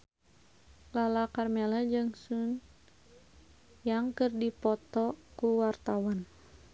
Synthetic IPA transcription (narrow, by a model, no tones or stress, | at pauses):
lalakarmɛlad͡ʒɨŋsun | jaŋkɨrdipɔt̪ɔkuwart̪awan